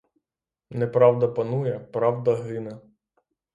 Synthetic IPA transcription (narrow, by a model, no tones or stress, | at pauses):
nɛpɾɑwd̪ɐpɐnujɛpɾɑwd̪ɐɦɪnɛ